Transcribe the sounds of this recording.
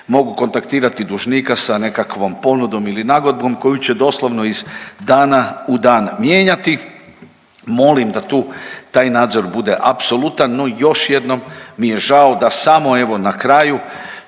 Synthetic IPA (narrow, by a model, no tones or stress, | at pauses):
mo̞ɡuko̞nt̪akt̪iːɾat̪id̪uʒniːkasane̞kakʋo̞mpo̞nud̪o̞milinaɡod̪̚bɡo̞mko̞jut͡ɕe̞d̪o̞slˠoʋno̞izd̪aːnaud̪aːnmjeːɲat̪i | mo̞limd̪at̪uːt̪aːjnaːd̪zo̞ɾbud̪e̞ʔapso̞lut̪anːo̞jo̞ʃje̞d̪no̞mːije̞ʒaod̪asamo̞e̞ʋo̞nakɾaju